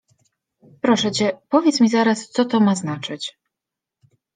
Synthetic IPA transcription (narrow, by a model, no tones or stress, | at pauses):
pɾɔʂɛt͡ɕɛpɔvʲjɛt̪smʲizaɾast̪sɔt̪ɔmaznat͡ʂɘt͡ɕ